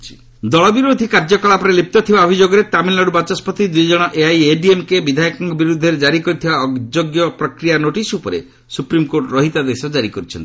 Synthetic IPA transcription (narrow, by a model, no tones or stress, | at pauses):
t͡ʃʰi̥ | d̪ɔɭɔbiɾod̪ʱikaɾd͡ʒɔkɔɭapɔɾelip̚t̪ɔt̪ʰibaɔbʱid͡ʒoɡɔɾet̪amilːaɽubat͡ʃɔspɔt̪id̪ujd͡ʒɔɽ̃ɔʔeajeɖiemkebid̪ʱajɔkɔŋɡɔbiɾud̪ʱːeɾed͡ʒaɾikɔɾit̪ʰibaɔɡd͡ʒoɡjɔpɾɔkɾijanoʈisupɔɾḛ | supɾimkoɾʈɔɾɔɦit̪ad̪esɔd͡ʒaɾikɔɾut͡ʃʰɔnt̪i